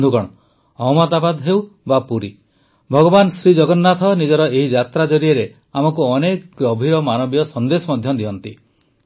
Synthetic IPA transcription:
d̪ʱukɔɽ̃ɔ | ɔmɔd̪abad̪ɦewbapuɾi | bʱɔɡɔbansɾid͡ʒɔɡɔnːat̪ʰɔnid͡ʒɔɾɔeɦid͡ʒat̪ɾad͡ʒɔɾieɾe | amɔkuɔnekɡɾɔbʱiɾɔmanɔbijɔsɔnd̪esɔmɔd̪ʱjɔd̪iɔnt̪i

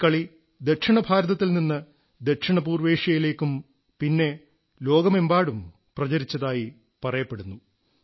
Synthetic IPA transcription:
kɐɭi | d̪eʈʂiɳɐbʱaːɾɐðɐt̪ːilninːɨ | d̪eʈʂiɳɐpuːrʋe̞ːʂjɐjile̞ːkːum | pinːe̞ | lo̞ːɡɐmembaːɽum | prɐt͡ɕɐɾit͡ɕːɐðaːji | pɐrɐjɐpːe̞ɽunːu

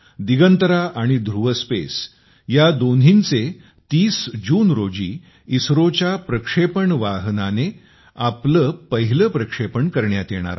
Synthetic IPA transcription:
d̪iɡənt̪əɾaʔaɽ̃id̪ʱɾuʋəspḛs | jad̪onɦint͡se | t̪iːsd͡ʑuːnɾod͡ʑḭː | isɾot͡ɕjapɾəkʂepəɳʋaɦnane | apləpəɦiləpɾəkʂepəɳkəɾɳjat̪jeɽ̃a̰ɾa̰

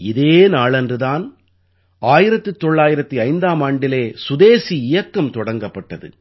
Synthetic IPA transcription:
ɪðeːnaːɭɛndrɯðaːn | aːjɪɾɐt̪ːɯt̪ːɔɭːaːjɪɾɐt̪ːɯɐɪnd̪aːmaːɳɖɪleːsʊðeːsiɪjɐkːɐmt̪ɔɽɐŋɡɐpːɐʈːɐðɯ̰

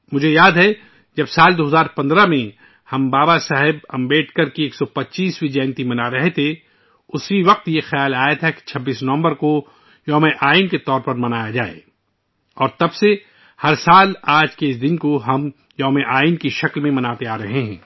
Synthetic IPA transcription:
mʊd͡ʒʱejaːd̪ɦɛ | d͡ʒɐbsaːld̪oːɦəzaːɾpɐ̃nd̪ɾamẽ | hɐmbaːbasaɦɪbɐ̃mbeːʈkɐɾkieːksɔpɐtːʃiːswid͡ʒɛːnt̪imɐnaɾɐɦet̪ʰe | ʊsiʋɐq̚t̪jexɐjaːlaːjət̪ʰɛki̥t͡ʃʰɐbːiːsnɐʋə̃mbəɾko | jɔːmeʔaːɪnket̪ɔːɾpɐɾmɐnaːjad͡ʒaːḛ | ɔːɾt̪ɐbse | hɐɾsaːlaːd͡ʒkeɪs̬d̪ɪnkoɦɐm | jɔːmeʔaːɪnkiʃɐklmẽmɐnaːt̪eaːɾɐɦeɦɛ̃ː

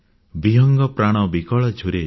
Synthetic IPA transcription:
biɦɔŋɡɔpɾaɽ̃ɔbikɔɭɔt͡ʃʰuɾe

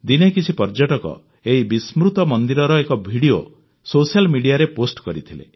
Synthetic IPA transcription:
d̪inekit͡ʃʰipɔɾd͡ʒɔʈɔkɔ̰ | eɦibismɾut̪ɔmɔnd̪iɾɔɾɔekɔbʱiɽio | sosialmiɽijaɾeposʈkɔɾit̪ʰilḛ

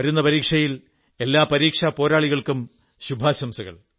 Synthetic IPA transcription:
ɐɾunːɐpɐɾiːkʂɐjil | e̞lːaːpɐɾiːkʂapo̞ːɾaːɭiɣɐɭkum | ɕubʱaːɕɐmsɐɣɐ̰ɭ

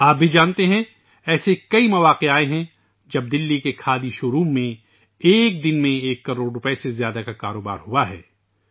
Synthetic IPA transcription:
aːp̚bʱid͡ʒaːnt̪eɦɛ̃ | ɛːsekɐimɐʋaːqeaːeɦɛ̃ | d͡ʒɐb̚d̪ɪlːikekʰaːd̪iʃoːɾuːmːẽ | eːk̚d̪ɪnmẽeːkːɐɾoːɽɾʊpesezjaːd̪akakaːɾoːba̰ːɾɦʊaɦɛ̰ː

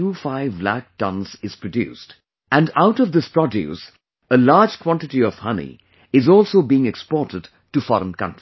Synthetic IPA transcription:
uːfaɪvlæ̰k̚tʌ̃nzɪz̥pɹədjṵːst | æ̃ndaʊʈʌvd̪ɪspɹ̥ɔdjʉ̰s | əlaːd͡ʒkʰw̥ɑ̃nʈɨʈiɔv̥hʌnḭ | ɪzɔːlˠsoʊbiɪ̃ŋɛkspɔːɾtəd | ʈufɔ̰ɾə̃nkʌ̰̃ntɹ̥i

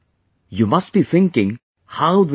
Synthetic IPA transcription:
jumʌst̚b̥iθɪ̃ŋkɪ̃ŋ | haʊð

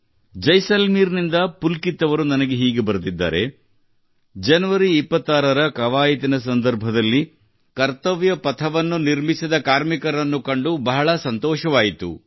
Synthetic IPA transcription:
d͡ʒɐjsɐlmiːɾnind̪ɐpulkit̪ːɐʋɐɾunɐnɐɡe̞ɦiːɡebɐɾut̪id̪ːa̰ːɾe̞̰ | d͡ʒɐnɐʋɐɾiːpːɐt̪ːaːɾɐɾɐkɐʋaːjit̪inɐs̬ɐnd̪ɐɾbʱɐd̪ɐlːi | kɐɾt̪ɐʋjɐpɐt̪ʰɐʋɐnːuniɾmisid̪ɐkaːɾmikɐɾɐnːukɐɳɖubɐɦɐɭɐsɐnt̪ɔːʃɐʋaːjit̪ṵ

